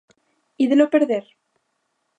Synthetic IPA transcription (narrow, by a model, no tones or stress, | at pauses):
iðelopeɾðeɾ